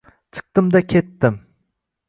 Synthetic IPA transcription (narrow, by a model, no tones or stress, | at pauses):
t͡ʃʰɨ̥q̚t̪ɪmd̪akʲʰe̞t̪ːɪm